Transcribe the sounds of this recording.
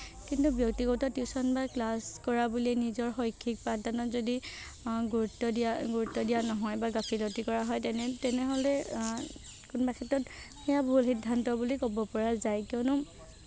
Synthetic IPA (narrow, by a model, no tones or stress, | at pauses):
kintubjɔk̚tikɔtɔtjusɔnbaklaskɔɹabulinizɔɹxɔjkʰːik̚padanɔzodi | ɡuɹutːɔdiaɡuɹutːɔdijanɔɦɔjbaɡapʰilɔtikɔɹaɦɔjtɛnɛtɛnɛɦɔlɛ | kunbakʰɛtːɔthɛjabɔɦulxidʱːantɔbulikɔbɔpɔɹazajkiɔnʊ